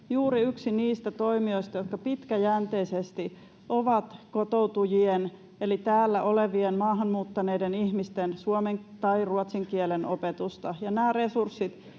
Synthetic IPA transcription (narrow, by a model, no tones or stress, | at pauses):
juːɾiyksiniːst̪æt̪o̞imio̞ist̪ɑjot̪̚kɑpit̪kæjænt̪eisest̪i | ʔoʋɑt̪kot̪out̪ujien | elit̪æːlːæʔoleʋienmɑːɦɑnmuːt̪ːɑneidenihmist̪ensuomeŋt̪ɑiruot̪siŋkielenʔopet̪ust̪ɑjɑnæːre̞sursːit̪